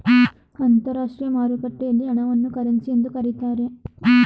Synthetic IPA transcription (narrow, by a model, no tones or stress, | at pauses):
ɐnt̪ɐɾaːʂʈɾijɐmaːɾukɐʈːɛjɐlːiɐɳɐʋɐnːukɐɾɐnsijend̪ukɐɾit̪aːɾe